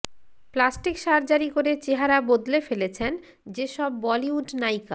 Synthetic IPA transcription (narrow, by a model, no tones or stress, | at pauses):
plasʈikʃaɾd͡ʑaɾikoɾet͡ɕeɦaɾabod̪lefelet͡ɕʰen | d͡ʑeʃɔbːɔliuɖnajka̰